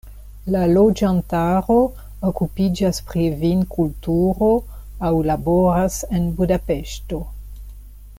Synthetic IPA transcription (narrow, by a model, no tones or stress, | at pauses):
lalo̞d͡ʒantaɾo̞ | okupid͡ʒaspɾivinkultuɾoawlabo̞ɾase̞nbudape̞ʃto̞